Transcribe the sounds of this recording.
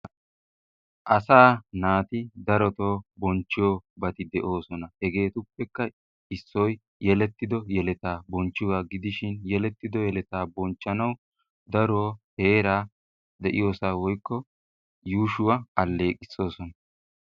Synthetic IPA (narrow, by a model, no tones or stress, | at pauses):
ʔɐsaːnaːt̪ɪd̪ɐɾɔt̪oːbɔnt͡ʃːɪjobɐt̪ɪd̪ɛʔo̞ːsɔnɐhɛɡe̞ːt̪ʊpːɛkːɐ | ɪsːɔj | jɛlɛt̪ːɪd̪ɔjɛlɛt̪aːbɔnt͡ʃːɪwaːɡɪd̪ɪʃɪnjɛlɛt̪ːɪd̪ɔjɛlɛt̪aːbɔnt͡ʃːɐnɐw | d̪ɐɾoːhe̞ːɾaː | d̪ɛʔɪ̰jo̞ːsaːwɔjkːɔ | juːʃʊwɐʔɐlːe̞ːkʼɪsːo̞ːsɔnɐ